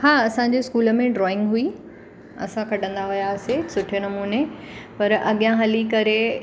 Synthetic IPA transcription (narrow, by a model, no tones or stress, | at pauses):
haːɐsãɲd͡ʑeskuːlə̆mẽɖɾɔːɪ̃ŋɡɦui | ɐ̰sãkʰɐɖʱə̃nd̪aɦʊjasɪsʊʈʰenɐmuːne | pɐɾɐɠijãɦɐlikɐɾe